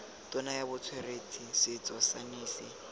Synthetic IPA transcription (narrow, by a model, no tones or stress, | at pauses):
tʼɔnajabʊt͡sʰwɛret͡sʰisɪt͡sʼɔsaniːsɪ